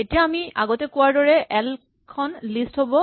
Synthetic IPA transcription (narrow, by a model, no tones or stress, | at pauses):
etijaːmia̰ɡɔtɛkʊwaɹdɔɹɛʔɛl | kʰɔnlistɦobɔ